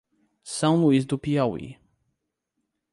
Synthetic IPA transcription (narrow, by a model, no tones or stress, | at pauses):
sãw̃luizd̪upijɔwḭ